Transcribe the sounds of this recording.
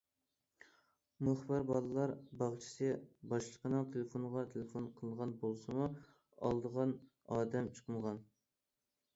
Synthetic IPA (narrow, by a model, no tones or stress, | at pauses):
mʊχbɨɾbɑlˠɨlˠɑɾbɑʁt͡ʃʰi̥sɨbɑʃlˠəqʰənɨŋt̪ʰelɪfonʁɑt̪ʰelefonqʰəlˠəʁɑnbolˠsɨmu | ɑ̰lˠd̪əʁɑn | ɑːd̪ɛmt͡ʃʰə̥qʰəmʁɑn